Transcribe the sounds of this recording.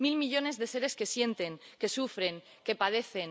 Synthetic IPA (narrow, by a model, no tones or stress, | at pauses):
milmiʎo̞ne̞zðe̞se̞ɾe̞ske̞sje̞nt̪e̞ŋke̞sufɾe̞ŋ | ke̞paðe̞θe̞n